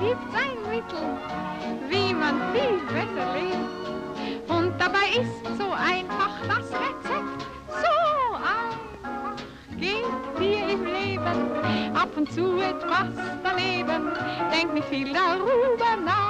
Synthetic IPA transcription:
ɡ̥iːp̚tz̥aɪnmɪtl̩ | viːmanfiːlvɛsɐleːp̚t | ʔʊnt̚d̥abaɪɪstz̥oːʔaɪnfaχd̥asbɛt͡sɛkt | z̥oʔaɪ | ɡ̥ethiːɐɪmleːbənʔapʊntt͡suːɛtpastd̥aneːbənd̥ɛŋk̚tmifiːldaʁyːbənaː

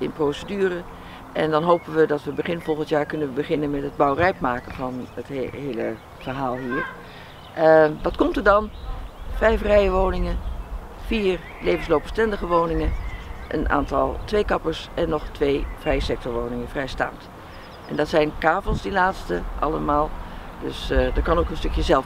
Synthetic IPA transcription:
ʔɪ̰nprowsədyːrə | ʔɛndɑnɦowpənʋədɑtʋəbəχɪnfɔlˠχəntjaːɹkɵnəʋəbəχɪnənmɛtɦəd̚bɑwrɛjpmaːkənvɑnətɦejlə | fəɹɦaːlˠɦiːɹ | dɑtkɔmtəɹdɑnfɛjfrɛjəʋownɪŋən | fiːɹ | lejvənslowpbə̥stɛndəɣəʋownɪŋənʔə̰nʔa̰ːntɑlˠtʋejkɑpəɹsɛnːɔχtʋejv̥rɛjəsɛk̚tɔɹʋoːwnɪŋənvrɛjsta̰ːmt | ʔɛndɑtsɛjnkaːvəlˠsdilaːtstəʔɑ̰ləmaːlˠdɵ̰sdəɹkɑnowkənstɵkjəzɛlˠ

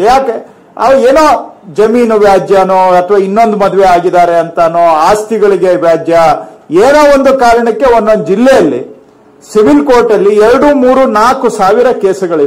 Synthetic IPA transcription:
jaːke | ɐʋɐeːnoːd͡ʒɐmiːnuʋjaːd͡ʒjɐnoːɐt̪ʰʋaːinːo̞nd̪umɐd̪uʋeaːɡid̪aːɾe̞ɐnt̪ɐnoːaːst̪iɡɐɭiɡe̞ʋjaːd͡ʒjɐeːnoːond̪ukaːɾɐɳɐkːe̞onːond̪d͡ʒilːɛjɐlːḭ | siʋilkoːɾʈɐlːiɛɾɐɽumuːɾunaːkusaːʋiɾɐkeːsɐɡɐɭi

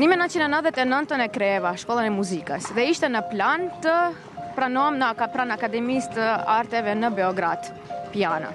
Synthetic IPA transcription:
nimɛnə̃nt͡ʃinɛnəðɛt̪ɛnənt̪ənɛkɾɛvaʃkɔlˠənɛmuzikəsðɛiʃt̪ɛnəplant̪ə | pɾanɔmnəkapɾanakad̪ɛmist̪əaɾt̪ɛvɛnəbɛɔɡɾad̪̥ | piana̰

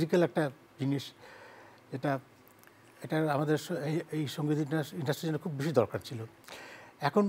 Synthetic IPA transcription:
zikelɛk̚ʈa | d͡ʑiniʃ | eʈa | eʈaɾamad̪eɾeejʃoŋɡid̪ʱiaiɳɖasʈɾid͡ʑɛnokʰubbiʃ̬id̪ɔɾkaɾt͡ɕʰilo | ɛkʰon

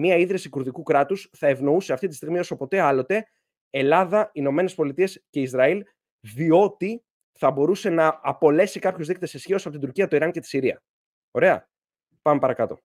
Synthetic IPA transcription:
miɐiðɾesikuɾðikukɾɐt̪usθɐe̞vno̞use̞ɐft̪it̪ist̪iɣmio̞so̞po̞t̪e̞ɐlo̞t̪e̞ | elɐðɐino̞me̞ne̞spo̞lit̪ie̞sce̞izɾɐil | ðio̞t̪i | θɐbo̞ɾuse̞nɐːpo̞le̞sikɐpçozðikt̪e̞sesçio̞sɐpot̪id̪uɾciɐt̪o̞iɾɐnce̞t̪i̥siɾiɐ̰ | o̞ɾe̞ɐ̰ | pɐme̞pɐɾɐkɐt̪o̞̰

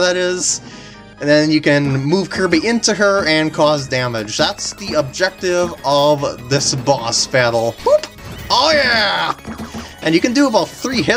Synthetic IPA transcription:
ðɨɾɪz̥ | ðɨ̃njɨkɨ̃nmuv̥kʰɜ˞biʔɪ̃ntʉə˞ɨ̃nkʰɔzdæmɪd͡ʒðætsðiəb̚d͡ʒɛk̚tɪvʌvðɪsbɔsb̥æɾl̩ˠhup | ojæ | ʔɨ̃njɨkɨ̃n̩dɨəbɔθɹiɦɪ

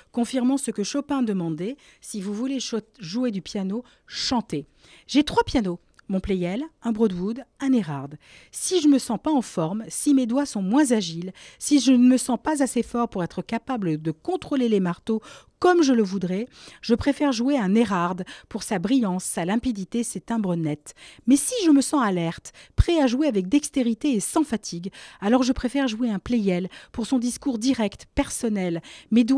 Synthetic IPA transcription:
kɔ̃fiʁmɑ̃səkəʃopɛ̃d̪əmɑ̃d̪ɛ | sivuvuleʒued̪ypjano | ʃɑ̃t̪e | ʒɛt̪χwapjano | mɔ̃plejɛlɛ̃bʁɔd̪vud̪ɛ̃neʁaʁd̪ | siʒəməsɑ̃paɑ̃fɔʁmsimed̪wasɔ̃mwɛ̃zaʒilsiʒənəməsɑ̃pazasefɔʁpuʁɛt̪χəkapabləd̪əkɔ̃t̪χolelemaʁt̪o | kɔmʒələvud̪ʁɛʒ̥əpχefɛʁʒuweɛ̃neʁaʁd̪puʁsabʁijɑ̃sːalɛ̃pid̪it̪esɛt̪ɛ̃bʁənɛt̪mɛsiʒəməsɑ̃alɛʁt̪pχɛaʒweavɛk̚d̪ɛkst̪eʁit̪eːsɑ̃fat̪ʰiɡalɔʁʒəpχefɛʁʒueɛ̃plejɛlpuʁsɔ̃d̪iskuʁd̪iʁɛkt̪pɛʁsɔnɛlmed̪w

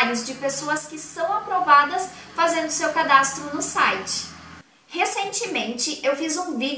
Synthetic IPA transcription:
ɾjʊzd͡ʒɪpesoɐskɪsɐ̃w̃apɾovad̪ɐs | fazẽnd̪ʊsewkad̪ast̪ɾʊnʊsajt͡ʃɪ̥ | hesẽnt͡ʃɪmẽnt͡ʃɪʔewfizũvid͡ʒ

